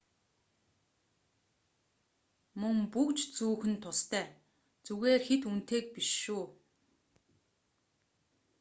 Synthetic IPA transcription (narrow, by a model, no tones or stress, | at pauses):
mɵŋpukt͡ɕt͡suːxɘ̆nt̪ʰʊst̪ʰæː | t͡suɣeːrxet̪un̥t̪ʰeːk̚piʃuː